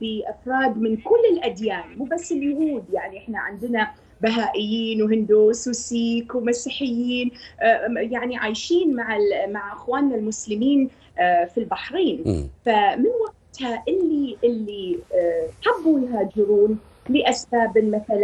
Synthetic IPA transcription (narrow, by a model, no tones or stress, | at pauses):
biʔafɾˤɑːd̪mɪnkʊlːɪlʔad̪jaːnmuːbasːɪlːiʕuːb̪jaʕniʔɪħnaʕɪnd̪ɪna | bɪɦaːʔɪjːiːnwɦɪnd̪uːswsiːkwmasiːħɪjːiːn | jaʕniʕaːjʃiːnmaʕamaʕʔɪxwaːnːalmʊslɪmiːn | filbaħɾiːnfamɪnwaɡ̚t̪haʔɪlːiʔɪlːi | ħabːujɦaːd͡ʒɪɾuːn | lɪʔasbaːbɪlmaθal